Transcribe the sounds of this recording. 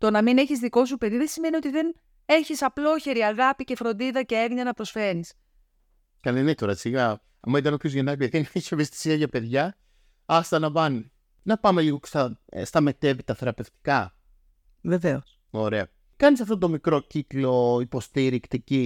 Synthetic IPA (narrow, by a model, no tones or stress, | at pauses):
t̪o̞nɐmine̞çizðiko̞s̬upe̞ðiðesime̞nio̞t̪iðe̞n | e̞çisɐplo̞çe̞ɾiɐɣɐpice̞fɾo̞nd̪iðɐce̞evɲɐnɐpɾo̞sfe̞ɾis | kɐnemit̪oɾɐsiɣɐ | ɐmɐit̪ɐnopʰçozʝenɐkɐt̪ieneçi̥sevest̪i̥siɐʝɐpe̞ðʝɐ | ɐst̪ɐnɐvɐni | nɐpɐme̞liɣoke̥st̪ɐst̪ɐme̞t̪e̞vit̪ɐθe̞ɾɐpe̞ft̪i̥kɐ | ve̞ve̞os | o̞ɾe̞ɐ | kɐnis̬ɐft̪ot̪̬o̞mikɾo̞ciklo̞ipo̞st̪iɾikt̪ici